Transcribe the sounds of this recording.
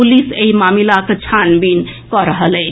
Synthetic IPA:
uliseimamilaket͡ʃʰanbinkɔɾəɦəlɛ

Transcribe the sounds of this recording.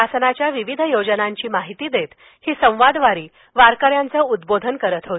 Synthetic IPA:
asənat͡ɕjaʋiʋid̪ʱəjod͡ʑənaɲt͡ɕiːmaɦit̪iːd̪et̪ | hiːsə̃w̃ʋad̪ʋaɾiː | ʋaɾkəɾjant͡səːud̪bod̪ʱənkəɾət̪ɦo

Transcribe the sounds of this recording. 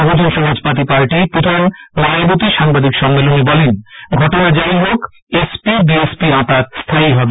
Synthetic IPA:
ɔbod͡ʑonʃɔmad͡ʑpat̪̬ipaɾʈipɾod̪ʱanmanebot̪iʃaŋbad̪ikʃɔmːelonebɔlenɡʱɔʈonad͡ʑaiɦok | espibiespiapat̪st̪ʰaiɦɔbe

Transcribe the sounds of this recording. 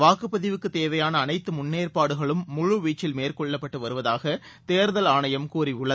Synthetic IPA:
ʋaːkɯpːɐðɪʋɯkːɯt̪ːeːʋɐjaːnɐːnɐɪt̪ːɯmʊnːeːrpaːɽɯɣɐɭɯmːʊɻʊʋiːt͡ʃːɪlmeːrkɔɭːɐpːɐʈːɯʋɐɾɯʋɐðaːɣɐ | t̪eːɾðɐlaːɳɐjɐmkuːriʊɭːɐ

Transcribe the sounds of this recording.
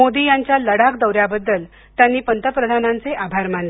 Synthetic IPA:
od̪iːjaɲt͡ɕjaləɽakd̪əwɾjabəd̪ːəl | t̪janːiːpənt̪əpɾəd̪ʱanant͡seʔabʱaɾmaɳle

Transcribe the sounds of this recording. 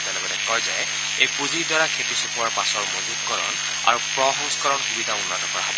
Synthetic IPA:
talɔbɛnɛkɔɹza̰jɛ | ejpuzidɔɹakʰetisukʰuwaɹpasɔɹmozukkɔɹɔ̰n | a̰ɹupɹɔɦɔŋsɔ̥kɔɹɔnxubidʱaunːɔtɔkɔɹa̰ɦɔbɔ

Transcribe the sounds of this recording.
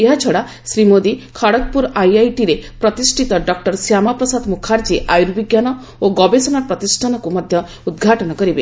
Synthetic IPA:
eɦat͡ʃʰɔɽa | sɾimod̪ikʰaɽɔk̚puɾajajʈiɾepɾɔt̪isʈʰit̪ɔɖɔk̚ʈɔɾsjamapɾɔsad̪mukʰaɾd͡ʒiʔajuɾbiɡjanɔ | oɡɔbesɔnaɾpɾɔt̪isʈʰanɔkumɔd̪ʱjɔ | ud̪ɡʱaʈɔnɔkɔɾibe

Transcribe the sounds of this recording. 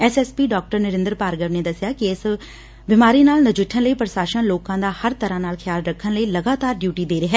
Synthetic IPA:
ɛsɛːspiːɖɔːk̚ʈəɾnɪɾɪ̃nd̪əɾpaːɾɡəʋneːd̪əsɪjaːkɪɪs | bɪmaːɾiːnaːlnəd͡ʒɪʈʰːənləiːpɾəʃaːʃənloːkãːd̪aːhəɾt̪əɾãːnaːlkʰɪjaːlɾəkʰːənləiːləɡaːt̪aːɾɖjuːʈiːd̪eːɾɪɦɛː

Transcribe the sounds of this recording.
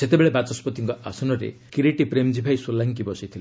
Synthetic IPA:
set̪ebeɭebat͡ʃɔspɔt̪iŋkɔasɔnɔɾḛkiɾiʈipɾemd͡ʒibʱajsolaŋkibɔsit̪ʰile

